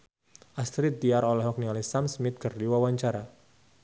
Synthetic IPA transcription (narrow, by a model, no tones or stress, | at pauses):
ʔast̪ɾit̪̚d̪iaɾɔlɛɦak̚nialisamsmɪt̪̚kɨrdiwawaɲt͡ʃaɾa